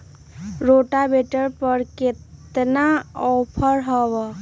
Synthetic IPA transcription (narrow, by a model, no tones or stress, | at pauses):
ɾoʈabeʈəɾpəɾket̪naɔpʰəɾɦəbə